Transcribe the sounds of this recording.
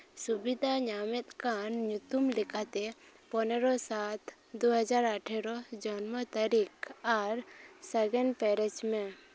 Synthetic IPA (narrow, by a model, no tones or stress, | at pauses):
subid̪ʱaɲamɛt̪̚kanɲut̪umlɛkʰat̪ɛ | pɔnɛɾɔsat̪ʰ | d̪uɦəd͡ʒaɾaʈʰɛɾɔd͡ʒɔnmɔt̪əɾikaɾsəɡɛnpɛɾɛd͡ʒmɛ̃